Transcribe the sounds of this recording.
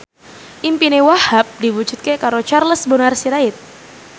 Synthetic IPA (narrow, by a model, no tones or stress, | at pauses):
ʔimpinewahap̚diwud͡ʒut̪̚kekaɾot͡ʃarləsbonarsiɾaɪt̪̚